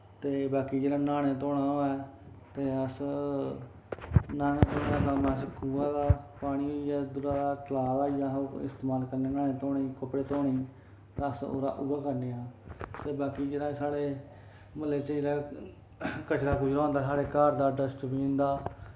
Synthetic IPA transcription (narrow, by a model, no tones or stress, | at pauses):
t̪eːbaːkiːd͡ʒeːɽaːnaːɽ̃eːt̪̬oːɽaːoːɛː | t̪eːəs | naːneːt̪oːanaːmãskuːaːd̪aːpaːɽ̃iːɦoːiɛːd̪ʊɾaːd̪aːt̪əlaːɾaːijaːoːɪ̰st̪eːmaːlkəɾneːnaːnẽːt̪oːɽiːkəpɽeːt̪oːɽ̃iː | t̪aəso̰ːɾa̰ːʔʊbaːkəɾneːaːt̪eːbaːkiːd͡ʒeːɽaːsaːɽeː | məleːt͡ʃəeːɾaː | kət͡ʃɾaːpuːd͡ʒaõːnd̪aːsaːɽeːkaːɾd̪aːɖəsʈbĩːnd̪aː